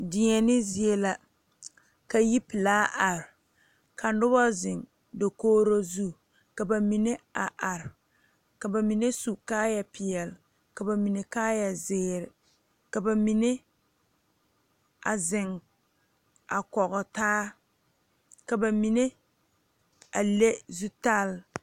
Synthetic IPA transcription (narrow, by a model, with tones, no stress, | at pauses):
dɪ˨ɲɛ˨nɪ˦zɪ˨e˦la˨ | ka˨ji˦pɪ˨laː˦ʔa˨ɾɪ˨ | kʰa˨n˦dʊ˦ba˦zɪ˨ŋ | do˨koː˦ɾo˦zu˦˨ | ka˨ba˨mi˨ne˦a˨ʔa˨ɾɪ˨ | ka˨ba˨mi˨ne˦su˨kaː˦ja˨pɪ˨jɛ˨l | ka˨ba˨mi˨ne˨kaː˦ja˨zɪː˦ɾɪ˨ | ka˨ba˨mi˨ne˦ | a̰˨zɪ˨ŋ | a˨kɔ˨ɣʊ˨taː˦ | ka˨ba˨mi˨ne˦ | a˨le˦zu˦ta˦l